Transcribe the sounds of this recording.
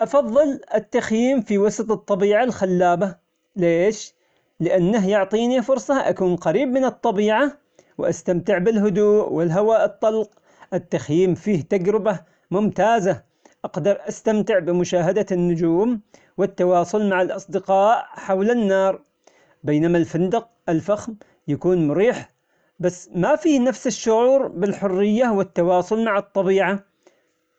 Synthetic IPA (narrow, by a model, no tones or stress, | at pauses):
ʔɑfɑðˤːɨlʔɪt̪ːaxjiːmfiwɑsɑt̪ˤɨt̪ˤːɑbiːʕalxalːaːba | leːʃ | lɪʔanːaɦjʊʕt̪ˤiːnifʊɾsˤɑʔakuːnqɑɾiːbmɪnɨt̪ˤːɑbiːʕa | wʔast̪amt̪ɪʕbɪlɦʊd̪uːʔwɪlɦawaːʔɨt̪ˤːɑlq | ʔɪt̪ːaxjiːmfiːht̪aɡɾɪba | mʊmt̪aːza | ʔɑqd̪ɑɾˤʔast̪amt̪ɪʕbɪmʊʃaːɦad̪anːʊd͡ʒuːm | wɪt̪ːɑwɑːsˤʊlmaʕalʔɑsˤd̪ɪqɑːʔħawlanːɑːɾˤ | bejnamalfɪnd̪ɑq̚ | ʔɪlfaxm | jakuːnmʊɾiːħ | basːmafiːhnafsɪʃːʊʕuːɾbɪlħʊrːɪjːawɪt̪ːɑwɑːsˤʊlmaʕɑt̪ˤːɑbiːʕa